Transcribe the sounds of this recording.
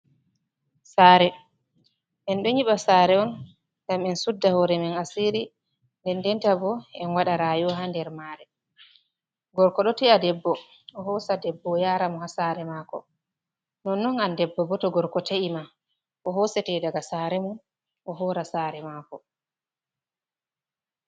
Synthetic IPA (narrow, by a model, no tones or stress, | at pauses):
saːɾɛ | ʔɛnɓɛɲiɓasaːɾɛɔn | ɡamɛnsudːahɔɾɛmɛnasiɾi | ndɛndɛntabɔɛnwaɗaɾaːjɔɦandɛɾmaɾɛ | ɡɔɾkɔɗɔtɛadɛbːɔ | ʔɔɦɔsadɛbːɔjaːɾamɔhasaɾɛmaːkɔ̰ | nɔnːɔnandɛbːɔbɔtɔɡɔɾkɔtaima | ʔɔɦɔsɛtɛdaɡasaɾɛmɔn | ʔɔɦɔːɾasaːɾɛmaːkɔ